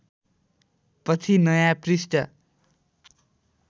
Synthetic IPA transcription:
pʌt͡sʰinʌjaprisʈʌ

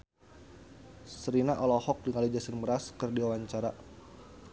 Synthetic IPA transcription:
səɾinaʔɔlɔhɔk̚dəŋalid͡ʒasɪnməɾaskərdiwawaɲt͡ʃaɾa

